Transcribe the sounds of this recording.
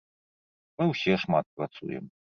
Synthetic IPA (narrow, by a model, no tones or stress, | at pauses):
mɨwsʲɛʂmat̪̚pɾat̪sṵjɛ̰m